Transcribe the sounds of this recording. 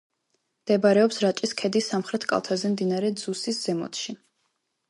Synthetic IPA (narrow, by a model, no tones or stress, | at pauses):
md̪̥ɛbaɾɛɔpsɾat͡ʃʼiskʰɛd̪isːamχɾɛt̪ʰkʼa̰lˠt̪ʰazɛmd̪inaɾɛd̪zusisz̥ɛmɔ̰t̪ʃi